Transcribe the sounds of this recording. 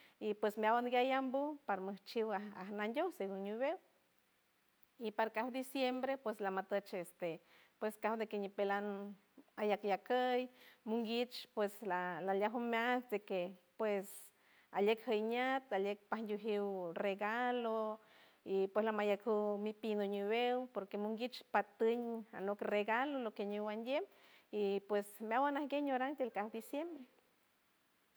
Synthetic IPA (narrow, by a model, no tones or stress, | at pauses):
ipwesmeawanɡajambupaɾməht͡ʃiwaahnand̪ʲoseɡuɲuβew | ipaɾakahd̪isjembɾepweslamat̪ət͡ʃest̪e | pweskahd̪ekeɲipelan | ajakjakəjmuŋɡit͡ʃpweslalaljaɦumʲasd̪ekepwes | aljekhəjɲat̪aljek̚pahnd̪ʲuɦiwreɡalo | ipweslamajakuwmipinoɲuwewpoɾkemuŋɡit͡ʃpat̪ɨɲa̰nokreɡalolokeɲiwand̪jemipwesmeawanahɡeɲoɾaŋt̪elkahd̪isjembɾe